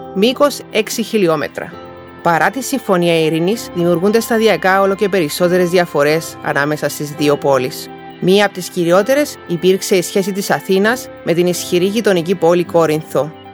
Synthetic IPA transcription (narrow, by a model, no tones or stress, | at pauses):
miko̞se̞ksiçilio̞me̞̰t̪ɾɐ̰ | pɐɾʔɐt̪isiɱfo̞niɐiɾinizðimiuɾɣund̪e̞st̪ɐðiɐkɐo̞lo̞ce̞pe̞ɾiso̞t̪e̞ɾe̞zðiɐfo̞ɾe̞sɐ̰nɐme̞sɐst̪izðio̞po̞lis | miɐːpot̪isciɾio̞t̪e̞ɾe̞sipiɾkse̞isçe̞s̬it̪isɐθinɐz | mʔe̞t̪inisçiɾiʝit̪o̞nicipo̞liko̞ɾinθo̞